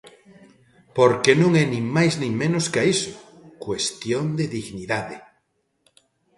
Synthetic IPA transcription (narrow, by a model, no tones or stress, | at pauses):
poɾkenõŋɛnĩŋmajznĩŋmẽnoskaiso̥ | kwest̪jond̪eðiɣniðaðe